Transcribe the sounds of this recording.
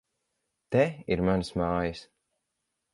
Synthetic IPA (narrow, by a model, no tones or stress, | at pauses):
t̪ɛiɾmansmaːjɨs